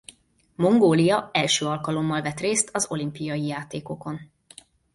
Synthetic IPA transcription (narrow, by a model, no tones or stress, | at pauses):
mo̞ŋɡoːlijɒɛlʃøːɒlkɒlo̞mːɒlvɛt̪reːst̪ɒzo̞limpijɒjijaːt̪eːko̞ko̞n